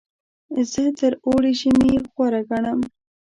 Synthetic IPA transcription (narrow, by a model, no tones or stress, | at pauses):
zət̪əɾoɽiʃimixwaɾaɡaɳam